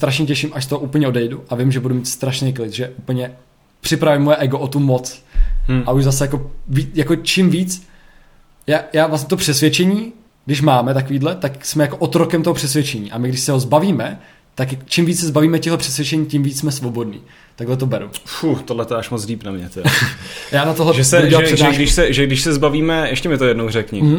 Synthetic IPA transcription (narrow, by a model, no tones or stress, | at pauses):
t̪ɾaʃɲɛcɛʃɪmʔaʃst̪oɦoʔuːpl̩ɲɛodɛjduʔavɪmʒɛbudumiːt̪st̪ɾaʃnejklɪt̪ʒɛʔupl̩ɲɛ | pr̥ɪpɾavimːojɛʔɛɡoʔot̪umot͡s | ʔauʒzasɛjako̞viːjakot͡ʃimviːt͡s | jaːjaːvlas̬ɲɛt̪opr̥ɛsvjɛt͡ʃɛɲiː | ɡdɪʃ̬maːmɛt̪akoviːdlɛt̪aksmɛjakoʔot̪ɾokɛmt̪oɦopr̥ɛsvjɛt͡ʃɛɲiːʔamɪɡdɪʃsɛɦozbaviːmɛ | t̪akt͡ʃimviːt͡ssɛzbaviːmɛcɛɦlɛpr̥ɛsvjɛt͡ʃɛɲiːcɪmviːt͡ssmɛsvo̞bo̞dnḭː | t̪aɡlɛt̪̬obɛɾṵfut̪odlɛt̪oɛaʃmot͡sliːpnamɲɛt̪ɛjaːnat̪oɦlɛʒɛsɛɛlaɛsɛnaɛɡdɪʃsɛʒɛɡdɪʃsɛzbaviːmɛʔɛʃcɛmɪt̪ojɛdnowrɛkɲɪm̩m̩